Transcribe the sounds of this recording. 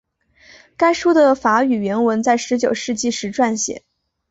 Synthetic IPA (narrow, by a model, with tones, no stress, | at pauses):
ka˥ɪʂu˥d̪ə˨fa˧˥y˨˩ɥɛ˧˥nwə˧˥nt͡sa˥˩ɪʂɻ̩˧˥t͡ɕjo˨˩ʊʂɻ̩˥˧t͡ɕi˥˩ʂɻ̩˧˥ʈ͡ʂwa˥˩nɕjɛ̰˨˩˦